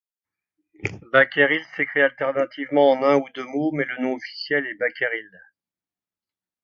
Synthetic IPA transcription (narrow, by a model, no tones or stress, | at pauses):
bakʲeʁilsəkχialt̪ɛʁnat̪ivmɑ̃ɑ̃nɛ̃ud̪ømomɛlənɔ̃ɔfi̥sjɛlɛbakʲeʁil